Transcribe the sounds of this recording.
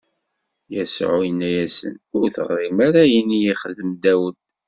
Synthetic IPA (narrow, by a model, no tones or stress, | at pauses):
jæsʕujənːæjæsə̰nʊɾθə̰ʁɾimæɾæjinːijiχəðəmd̪æwən